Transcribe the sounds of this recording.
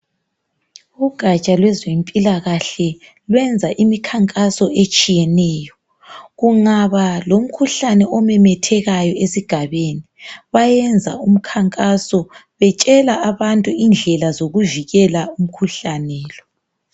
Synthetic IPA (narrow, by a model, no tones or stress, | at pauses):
uɡ̥ʱat͡ʃʼalwɛzempʼilaɣaɬɛ | lwɛnd͡zʱaʔimikʰaŋkʼasɔet͡ʃʼijɛnɛːjɔ | ɣuŋaβalom̩kʰuɬanɛʔɔmɛmɛtʰɛɣajɔesiɡ̥ʱaβeniβajɛnd͡zʱa̰um̩kʰaŋkʼasɔ | βɛt͡ʃʼɛlaaβantʼuind͡ɮʱɛlazoɣuviɣɛlaum̩kʰuɬanɛːlɔ